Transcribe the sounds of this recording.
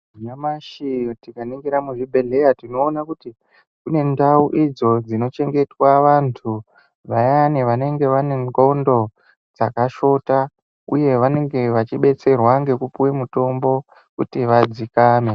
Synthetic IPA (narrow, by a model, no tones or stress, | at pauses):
ɲamaʃitikaniŋɡiɾamuʐibʱe̞ɮe̞jatino̞ːnakuti | kune̞ndauʔid͡zo̞d͡zino̞t͡ʃe̞ŋɡe̞twaʋantʰu | ʋajaneʋane̞ŋɡe̞ʋaneŋɡondo̞ | d͡zakaʃo̞ta | uje̞ʋane̞ŋɡe̞ʋat͡ʃiɓe̞t͡se̞rwaŋɡe̞kupuwemuto̞mbo̞ | kṵtiʋad͡zikaːme